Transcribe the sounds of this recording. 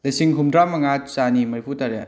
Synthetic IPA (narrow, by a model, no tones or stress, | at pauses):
lɐsiŋɦumdɾamɐŋat͡ʃanimɐɾpʰutaɾja̰n